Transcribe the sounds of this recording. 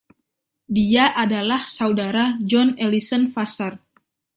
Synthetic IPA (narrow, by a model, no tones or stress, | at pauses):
diaʔadalahsaudaɾad͡ʒɔnelisənfasar